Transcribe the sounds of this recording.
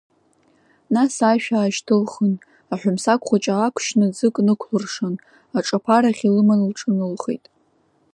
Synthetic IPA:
nasaʃᶣaːʒtʰɨlχən | aħʷᶣʊmsakʷχʷat͡ʃʼaakʷʰʃnɨd͡zɨkʼnɨkʷʰlɨrʂɨn | aʈ͡ʂʼapʰaɾaχʲilɨmanlʈ͡ʂʼɨnɨlχejtʼ

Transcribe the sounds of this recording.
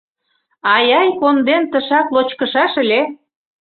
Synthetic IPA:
ɑjɑjkond̪ent̪əʃɑklot͡ɕkə̆ʃɑʃə̆lʲe

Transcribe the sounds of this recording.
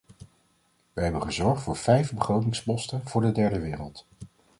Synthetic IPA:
ʋəɦɛbənχəzɔɹχtfʊːɹv̥ɛjfbəχrowtɪŋspɔstənv̥ʊːɹdədɛɹdəʋɪːrəlˠt

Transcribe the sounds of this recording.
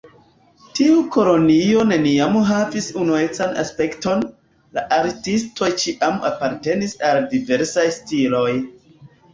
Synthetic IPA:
tiuko̞lo̞nio̞ne̞niamɦavisunue̞t͡sana̰spe̞kto̞n | laʔaɾtistʰo̞jt͡ʃiʔama̰paɾte̞nisaldive̞ɾsajstilo̞j

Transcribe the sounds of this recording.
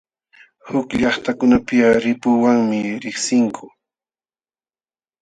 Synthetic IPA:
hʊkʎɑχt̪akʊnapɪjaɾɪpʊwaŋmɪɾɪχsɪŋkʰʊ

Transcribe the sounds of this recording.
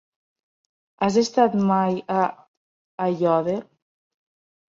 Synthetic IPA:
azest̪at̪majaː | ʎɔðe

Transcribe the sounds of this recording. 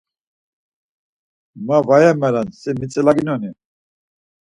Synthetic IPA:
mavajɛmɛɾansimit͡sʼɛlaɡinɔni

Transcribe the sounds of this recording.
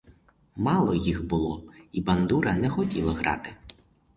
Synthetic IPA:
mɑlˠɔjixbʊlˠɔibɐnd̪uɾɐnɛxɔtʲilˠɐɦɾɑ̰t̪ɪ

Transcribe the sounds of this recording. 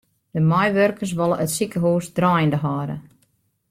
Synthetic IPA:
d̥əmɔjʋørkərs̬ʋɔlˠəʔətsikəɦuːsdrɔːjəndəɦaːɾə̰

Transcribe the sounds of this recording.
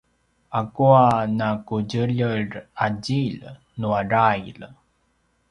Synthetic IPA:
akuanakuɟəʎəraɟil | nuaɾajl

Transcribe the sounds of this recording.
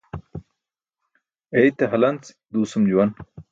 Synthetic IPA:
ejt̪ɐɦɐlɐnt͡s | d̪uːsumd͡ʑuwɐn

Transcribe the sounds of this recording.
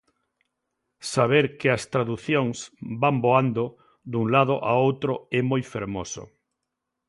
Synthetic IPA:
saβ̞eɾkɪɐst̪ɾaðuθjoŋsbamboand̪o | d̪uŋlaðʊʔaowt̪ɾoemojfeɾmo̰sʊ̰

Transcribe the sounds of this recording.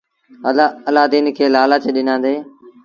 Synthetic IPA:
əlaəlaːd̪iːnkʰeːlaːlaːt͡ʃeːɗɪnãːd̪eː

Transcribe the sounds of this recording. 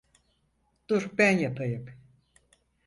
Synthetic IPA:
d̪̥uɾbænjapʰajɯp

